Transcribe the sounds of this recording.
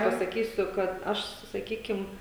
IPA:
pɐsɐˈkʲiːsʲʊ kɐt ˈɐʃ sʊ sɐˈkʲiːkʲɪm

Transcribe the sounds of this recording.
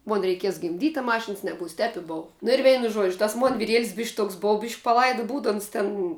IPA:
ˈmoːn rʲɛɪˈkʲiɛs ɡʲɪmʲˈdʲiːtʲ ɐ ˈmɑːʃʲɪns nʲɛˈbuːs tʲɛp ɪ ˈboːʋɐ nʊ ɪr ˈʋʲɛɪnʊ ˈʒuɔd͡ʒʲʊ tɐs ˈmoːn ʋʲɪˈrʲiɛlʲsʲ bʲɪʃʲkʲ ˈtoːks ˈboːw bʲɪʃʲ pɐˈlˠɐɪdʊ ˈbuːdʊ ˈoːns tʲɛn

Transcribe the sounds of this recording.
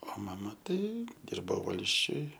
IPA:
oː ˈmɑːmɐ ˈtɐɪ ˈdʲɪrboː ˈʋɐlʲsʲt͡ʃʲʊj

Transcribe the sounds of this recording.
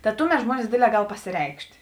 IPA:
tɐ ˈtʊˌmʲɛt ˈʒmuɔnʲɪs ˈdʲeːdʲˌlʲɛː ˈɡɐlˠ pɐsʲɪˈrʲɛɪkʃʲtʲ

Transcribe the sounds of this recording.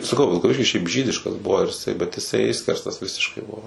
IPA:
sɐˈkɐʊ ʋʲɪlˠkɐˈʋʲɪʃʲkʲɪs ʃʲɛɪp ˈʒʲiːdʲɪʃkɐs ˈbʊʋoː ɪr ɪˈsɐɪ bʲɛt ɪˈsɐɪ ˈɪʃʲsʲkʲɛrstɐs ˈʋʲɪsʲɪʃkɐɪ ˈbʊʋoː

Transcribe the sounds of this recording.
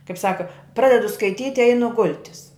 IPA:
kɐɪp ˈsɑːkɐ ˈprɑːdʲɛdʊ skɐɪˈtʲiːtʲ ɪ ˈɛɪnʊ ˈɡʊlʲtʲɪs

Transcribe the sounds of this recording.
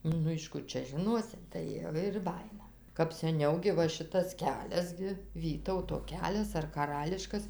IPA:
ˈnʊ ɪʃ ˈkʊr t͡ʃʲɛ ʒʲɪˈnoːsʲɪ tɐɪ ˈʋɐ ɪr ˈbɑːjɪnɐ kɐp sʲɛˈnʲɛʊ ɡʲɪ ˈʋɐ ˈʃʲɪtɐs ˈkʲæːlʲɛs ɡʲɪ ˈʋʲiːtɐʊtoː ˈkʲæːlʲɛs ɐr kɐˈrɑːlʲɪʃkɐs

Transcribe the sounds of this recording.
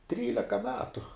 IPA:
ˈtʲrʲiːlʲɛkɐ ˈmʲæːtʊ

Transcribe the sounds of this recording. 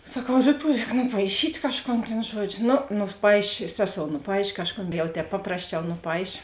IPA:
sɐˈkɐʊ ˈrʲiːˌtuɔ ˈrʲɛːk nʊpɐɪˈʃʲiːtʲ ˈkɑːʃˌkoːn tʲeːn ˈʒuɔd͡ʒʲoː ˈnoː nʊˈpɐɪʃʲeː ˈsʲæːˌsoːʊ nʊˈpɐɪʃʲeː ˈkɑːʃˌkoːn jɛʊ ˈtʲɛːp ˈpɑːprɐsʲˌt͡ʃʲɛʊ nʊˈpɐɪʃʲeː

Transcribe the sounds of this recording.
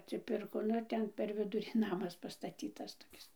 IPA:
ɐtʲsʲɪˈpʲɪrkoː nʊ ˈtʲɛn pʲɛr ˈʋʲɪdʊrʲiː ˈnɑːmɐs pɐstɐˈtʲiːtɐs toːˈkʲɪs

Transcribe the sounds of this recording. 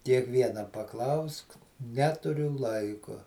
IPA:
kʲiɛkˈʋʲiɛnɐ pɐˈklˠɐʊsk ˈnʲæːtʊrʲʊ ˈlˠɐɪkʊ

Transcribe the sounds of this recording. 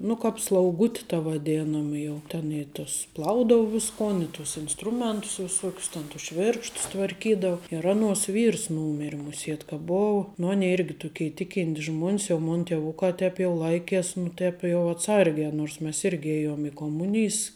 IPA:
ˈnʊ kɐp slˠɐʊˈɡʊtʲɪ tɐ ʋɐˈdʲeːnɐmɐ ˈjɛʊ tʲɛn ɪ tʊs ˈplˠɐʊdɐʊ ˈʋʲɪskoːn ɪ ˈtʊs ɪnsˈtrʊmʲɛntʊs ʋʲɪˈsuɔkʲʊs ˈtʲɛn tʊs ˈʃʲʋʲɪrkʃtʊs tʋɐrʲˈkʲiːdɐʊ ɪr ˈɑːnuɔs ˈʋʲiːrs ˈnuːmʲɪrʲɪ mʊˈsʲiɛt kɐ ˈboːʊ ˈnʊ ˈɑːnʲɛɪ ˈɪrʲɡʲɪ ˈtʊkʲɛɪ ˈtʲɪkʲɪnʲtʲɪs ˈʒmuɔnʲs jɛʊ ˈmoːn ˈtʲiɛʋʊkɑː ˈtʲɛːp jɛʊ ˈlˠɐɪkʲɛs nʊ ˈtʲɛːp jɛʊ ɐtˈsɐrʲɡʲɛː noːrs ˈmʲɛs ˈɪrʲɡʲɪ ˈeːjoːm ɪ koːˈmʊnʲɪjs

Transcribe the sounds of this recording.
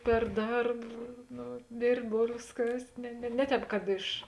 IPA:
pʲɛr ˈdɐrp ˈnoː ˈdʲeːrʲpʲtʲ ˈboːlʲʋʲeːs ˈkɐsʲtʲ nʲɛ nʲɛ ˈnʲɛ ˌtʲɛːp kɐt ˈɪʃ

